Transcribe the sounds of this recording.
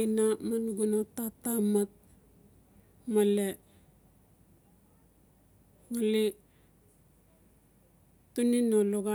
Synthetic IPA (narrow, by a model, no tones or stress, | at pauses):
namanɡunotatamat̚ | male | ŋali | tuninoloɡa